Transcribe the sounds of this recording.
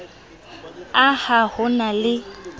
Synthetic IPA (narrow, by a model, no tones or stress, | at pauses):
ahahʊnalɪ